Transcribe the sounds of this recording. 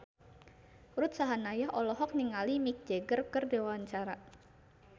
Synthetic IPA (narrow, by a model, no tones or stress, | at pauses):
ɾut̪̚saɦanajahʔɔlɔɦɔk̚niŋalimik̚d͡ʒeɡərkərdewaɲt͡ʃaɾa